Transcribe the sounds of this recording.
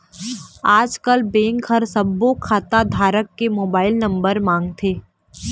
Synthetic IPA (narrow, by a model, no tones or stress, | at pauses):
aːd͡ʒkəlbẽːŋkʰɐɾsɐbːokʰaːt̪ad̪ʱaːɾəkːemoːbaːɪlnɐ̃mbəɾmãːŋɡ̚t̪ʰeː